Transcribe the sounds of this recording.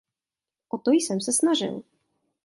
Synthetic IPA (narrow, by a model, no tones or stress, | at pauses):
ʔɔt̪ojsɛmsɛsnaʒɪ̰l